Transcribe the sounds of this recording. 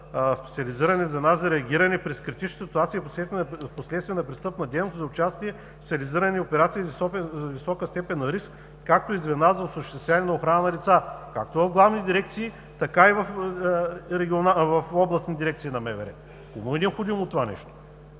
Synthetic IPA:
spɛt̪siɐliziɾɐnɛzɐd̪nazzɐɾɛɐɡʲiɾɐnɛpɾɛskɾit̪it͡ʃnət̪sit̪uat̪siposlɛposlɛt̪st̪vʲiɛnɐpɾist̪ɤpnɐd̪ɛjnoszɐʊt͡ʃast̪iɛ | spɛt̪ʲɐliziɾɐnʲiopɛɾat̪sivisɔpɛzɐvisɔkəst̪ɛpɛnːɐɾisk | kak̚t̪oizvɛd̪nazɐosəʃt̪ɛst̪vʲanʲɛnɐoxɾanənɐlit̪saka̰k̚t̪ovɐvɡlˠavnid̪iɾɛk̚t̪siː | t̪ɐkaivɐf | ɾɛɡʲionavɐfɔblˠɐsid̪iɾɛk̚t̪sinɐmɛvɛ̰ɾɛ̰ | komuid̪ʲɛpxod̪imot̪ːovanɛ̰ʃt̪o̥

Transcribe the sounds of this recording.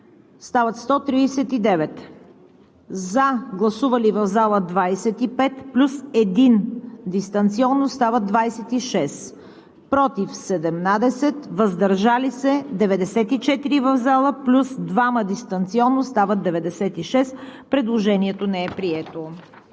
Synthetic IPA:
st̪avɐt̪st̪ɔt̪ɾiːsɛt̪id̪ɛvɛt̪ | zaɡlˠɐsuvəlivəvzalˠəd̪vajsɛt̪ipɛt̪plʲusɛd̪ind̪ist̪ɐnt̪siɔnːost̪avəd̪vajsɛt̪iʃɛs | pɾɔt̪ifsɛd̪ɛmnad̪ɛsɛt̪vəzd̪ɐɾʒalisɛd̪ɛvɛd̪ɛsɛt̪it͡ʃɛt̪iɾivəvzalˠəplʲusd̪vaməd̪ist̪ɐnt̪siɔnːost̪avəd̪ɛvɛd̪ɛsɛt̪iʃɛspɾɛd̪lˠoʒɛniɛt̪onɛɛpɾiɛt̪o

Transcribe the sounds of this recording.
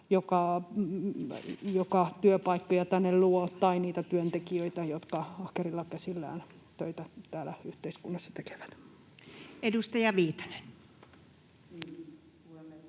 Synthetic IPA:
jokɑ | jokɑt̪yøpɑikːojɑt̪ænːelluot̪ːɑiniːt̪æt̪yønt̪ekiøit̪æjot̪kɑɑhkerilːɑkæsilːæ̰ːn | t̪øit̪æt̪æːlæyht̪eiskunːɑsːɑ̥t̪eke̥ʋæ̥t̪ | edust̪ɑjɑʋiːt̪ɑ̥nen

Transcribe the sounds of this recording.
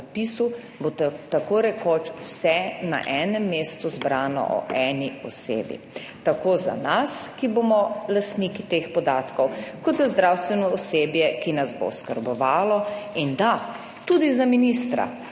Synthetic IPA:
apiːsu | bot̪akoɾɛkot͡ʃwsɛna̰ʔɛːnɛmːeːst̪uzbɾaːnɔ̰ʔɔ̰ʔɛːniɔ̰sḛːbḭ | t̪akoːza̰naskiboːmɔlast̪nikit̪eːxpɔd̪aːt̪kɔwkɔd̪zazd̪ɾawst̪ʋɛnɔɔseːbjɛkinazbo̰skəɾbɔʋaːlɔind̪a | t̪ud̪izaminist̪ɾa̰

